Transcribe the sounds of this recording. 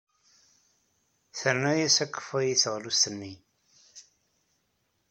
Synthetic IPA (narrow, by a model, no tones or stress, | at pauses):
θəɾnæjæsækːə̥fæjiθəʁlust̪ənːi